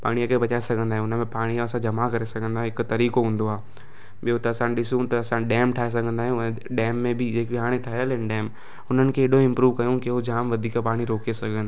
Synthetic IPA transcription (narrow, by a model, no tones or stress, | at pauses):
pa̰ːɽ̃ijakʰebɐt͡ɕaːesɐɡʱə̃nd̪aːɦẽʊnə̆mẽpaːɽ̃iaɐsãd͡ʑɐmakɐɾesɐɡʱə̃nd̪aːɦɪkʊt̪ɐɾiːkoɦũːnd̪oaː | ɓijot̪ɐːsãɗɪsũt̪ɐɐsãɗɛːmʈʰaːɦes̬ɐɡʱə̃nd̪aːɦɪjõ | ɗɛːmːẽbɪd͡ʑeːkiɦaːɽ̃ẽʈʰaːɦejəlɛ̃nɖɛːm | ʊn̤ənɪ̆kʰeːɗoɪ̃mpɾuːʋkɐjõkeɦod͡ʑaːmʋɐd̪ʱiːkpaːɽ̃iɾoːkesɐɡʱə̃nd̪a